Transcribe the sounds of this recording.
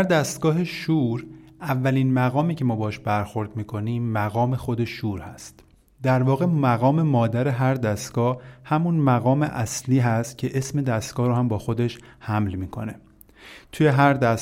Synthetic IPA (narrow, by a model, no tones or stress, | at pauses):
æɾd̪æst̪ɡ̥ɒːɦeʃuːɾʔævːæliːnmæɣɒːmiːcʰe̞mɒːbɒhʃbæɾxo̞ɾd̪̚miːkʰo̞niːmːæɣɒːme̞xod̪e̞ʃuːɾhæst̪ | d̪æɾvɒːɣe̞mæɣɒːme̞mɒːd̪æɾeɦæɾd̪æst̪ɡ̥ɒːhhæmunmæɣɒːmḛʔæsliːɦæst̪̚cʰe̞ʔe̞sme̞d̪æst̪ɡ̥ɒːhɾɔːhæmbɒːxo̞d̪e̞ʃhæmlmiːkʰo̞̰ne | t̪ʰuje̞ɦæɾd̪æs